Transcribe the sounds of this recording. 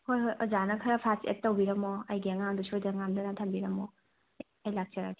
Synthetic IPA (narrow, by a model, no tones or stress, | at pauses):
hojhojɔzanɐkʰɐɾɐpʰasḛt̚tːɐwbiɾɐmɔɐjɡiɐŋaŋdusojdɐŋamdɐnɐtʰɐmbiɾɐmɔ | ɐjlak̚t͡ʃɐɾai